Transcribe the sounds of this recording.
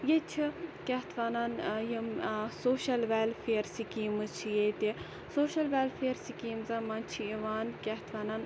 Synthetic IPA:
jet͡ʃʰikʲɐɦt̪ʰʋaːnaːnjimsoːʃɐlʋelfeːɾsikiːmɨt͡ʃʰijet̪i | soːʃɐlʋeːlfʰeːɾsikiːmzamaːnt͡ʃʰiiʋaːnkʲɐɦt̪ʰʋaːnan

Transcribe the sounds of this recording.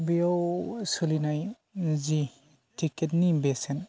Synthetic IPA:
bijawsulinaj | zi | tʰiketnibesen

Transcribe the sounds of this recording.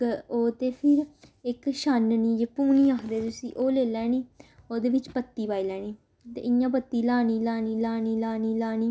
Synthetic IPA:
oːt̪eːpʰɪɾɪkʃanniːd͡ʒeːpuːnĩːaːkʰd̪eːt̪ʊsḭ̃ːʔoːleːlɛːniːoːd̪eːʋɪt͡ʃpət̪ːiːbaːiːlɛːniː | t̪ḛːʔɪjãːpət̪ːiːlaːniːlaːniːlaːniːlaːniːlaːniː

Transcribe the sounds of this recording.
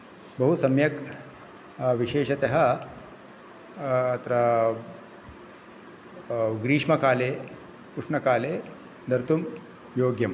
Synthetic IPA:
bɐɦusɐmjɐk | ʋiʃeːʃɐt̪eɦɐ̆ | t̪ɾɐ | ɡɾiːʂmɐkaːleː | kuʂɳɐkaːleː | d̪ɐɾt̪um | joːɡjɐm

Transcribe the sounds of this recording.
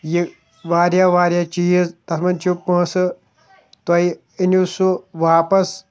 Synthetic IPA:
ji | ʋaːɾjaʋaːɾjat͡ʃijizt̪ɐsmɐnt͡ʃupːə̃sɨ | t̪ɐi | inusuʋaːpɐs

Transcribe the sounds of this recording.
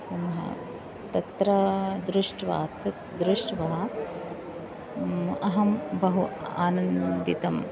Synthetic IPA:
t̪ɐmɐɦɐ̰ | t̪ɐt̪ɾɐd̪ɾuʂʈʋa̰ːt̪ | d̪ɾuʂʈʋɐɦɐ | ɐɦɐmbɐɦua̰ːnɐnd̪it̪ɐm

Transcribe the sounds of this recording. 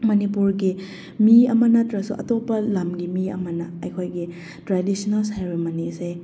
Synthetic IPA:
mɐnipuɾɡi | miɐmɐnɐtɾɐsuʔɐtopːɐlamɡimiɐ̰mɐnɐːjkʰojɡi | tɾadisinɐlsajɾemɐnise

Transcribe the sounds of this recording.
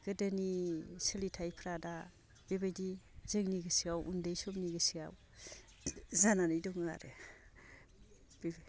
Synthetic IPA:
ɡ̥ɯdənisəlitʰajpʰɾada | b̥ebajdizɯŋniɡɯsiawʔundejsɔmniɡɯsia̰w | zananɯjdɔŋa̰ɾe | b̥ib

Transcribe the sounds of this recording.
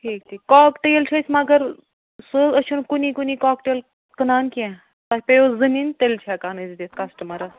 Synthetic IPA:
ʈʰiːkʈʰiːkːaːkʈejlt͡ʃʰɐsʲmaɡɐɾ | səɐt͡ʃʰunkunikuniːkaːkʈeːl | kənaːnkiɛ̃ | t̪apejozɨnint̪elt͡ʃʰakaːnɨzd̪eːt̪̚kɐsʈɐmɐɾɐ

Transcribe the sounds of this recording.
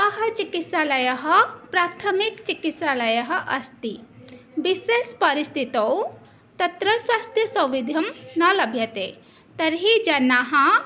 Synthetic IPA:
ɐɦɐt͡ʃikit̪salɐjɐɦɐpɾaːt̪ʰɐmikt͡ʃikit̪salɐjɐɦɐʔɐst̪ibisespɐɾist̪ʰit̪ɐw | t̪ɐt̪ɾɐswast̪ʰjɐsɐ̃wʋid̪ʱjɐmnɐlɐbʱjɐt̪e | t̪ɐɾɦid͡ʒɐnaɦɐ̃

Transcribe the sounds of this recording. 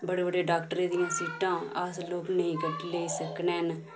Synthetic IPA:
bəɽeːbəɽeːɖaːkʈəɾeːd̪ɪjãːsiːʈãːəsloːknəĩːkəʈleːsəkneːn

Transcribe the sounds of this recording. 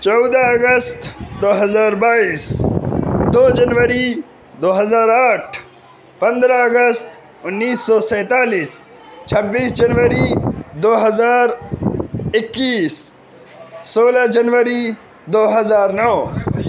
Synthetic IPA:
t͡ʃɔʊd̪aɐɡəst̪d̪oːɦɐzaːɾbaːiːs | d̪oːd͡ʒɐnʋəɾi | d̪oːɦɐzaːɾaːʈʰ | pɐ̃nd̪ɾaɐɡəst̪ | ʊnːiːsːɔːsɛ̃ːt̪aːliːs | t͡ʃʰɐbːiːsd͡ʒɐnʋəɾid̪oːɦɐzaːɾ | ɪkːiːs | soːlad͡ʒɐnʋəɾi | d̪oːɦɐzaːɾnɔː

